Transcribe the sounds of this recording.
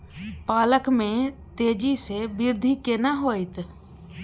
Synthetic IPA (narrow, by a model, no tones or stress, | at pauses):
paːləkmẽt̪eːd͡ʒisebɪɾd̪ʱikenaɦoːit̪